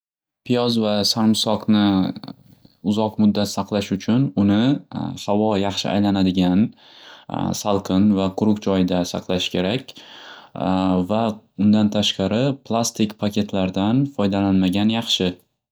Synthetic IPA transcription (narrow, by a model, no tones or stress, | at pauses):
pʰijɒzvasaɾmsɒqnɪ | ʊzɒqmʊd̪ːat̪sɑqlˠaʃʊt͡ʃʰʊnʊnɪhavɒjɑχʃɪ̰ʔa̰jlanad̪ɪɡʲan | salˠqʰɨnvaqʰʊɾʊqd͡ʒɒjɪd̪asɑ̰qlˠaʃkʲʰe̞ɾakʲ | va | ʊnd̪ant̪ʰaʃqɑɾɪpʰlˠast̪ɪkʲpʰakʲʰe̞t̪ʰlaɾd̪anfɒjd̪alanmaɡʲanjɑχʃɪ